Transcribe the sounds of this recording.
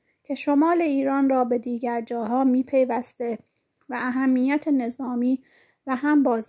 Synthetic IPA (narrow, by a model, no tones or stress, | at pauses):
cʰe̞ʃo̞mɒːle̞iːɾɒːnrɒːbe̞d̪iːɟæɾd͡ʒɒːɦɒːmiːpʰe̞jvæst̪e̞ | væːɦæmːijæt̪ʰe̞ne̞zɒːmiː | væɦæmbɒːz